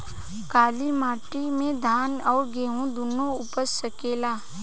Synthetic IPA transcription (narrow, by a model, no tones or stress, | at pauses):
kaːlimaːʈimẽd̪ʱaːnɔːɾɡeːɦũd̪unoupəɾsəkeːlaː